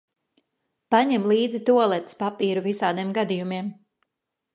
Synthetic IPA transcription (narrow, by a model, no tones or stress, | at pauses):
paɲɛmlˠiːd̪zit̪uɔlˠɛt̪spapiːɾuvisaːd̪iɛmɡad̪ijumiɛm